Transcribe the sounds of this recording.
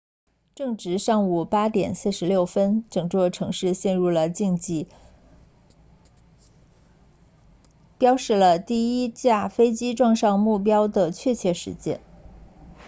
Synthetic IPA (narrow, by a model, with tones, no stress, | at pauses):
ʈ͡ʂɤ˥˩˧ŋʈ͡ʂɻ̩˧˥ʂɑ˥˩ŋu˨˩pa˥t̪jɛ̰˨˩nsɹ̩˥˩ʂɻ̩˧˥ljo˥˩ʊfə˥nʈ͡ʂɤ˨˩ŋʈ͡ʂwɔ˥˩ʈ͡ʂʰɤ˧˥ŋʂɻ̩˥˧ɕjɛ˥˧nɻu˥˩lə˩t͡ɕi˥˧ŋi˥˩ | pjɑ˥ʊʂɻ̩˥˩lə˩t̪i˥˩i˥t͡ɕja˥˩fe˥ɪt͡ɕi˥ʈ͡ʂwɑ˥˧ŋʂɑ˥˧ŋmu˥˩p̬jɑ˥ʊd̪ə˨t͡ɕʰɥɛ˥˧t͡ɕʰjɛ˥˩ʂɻ̩̰˧˥t͡ɕjɛ̰˥˩n